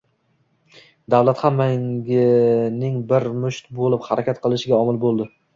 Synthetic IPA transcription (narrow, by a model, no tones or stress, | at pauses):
d̪awlˠat̪hanmaŋɡʲɪnɪŋbɪɾmʊʃt̪bolˠɪphaɾʔakʲʰat̪qʰɨlˠɪʃɪɡʲaɒmɪlˠbolˠd̪ɪ